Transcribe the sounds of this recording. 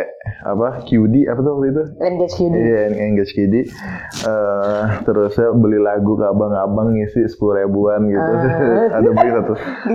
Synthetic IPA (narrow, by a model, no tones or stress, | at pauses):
a̰pakjudiapat̪ɔwak̚t̪uit̪unɡɛt͡ʃiijaɛŋɡɛt͡ʃkidiət̪əɾʊsabəlilaɡukabaŋabaŋɪsɪsə̥puluɾabuanɡit̪uadabəlisat̪ʊ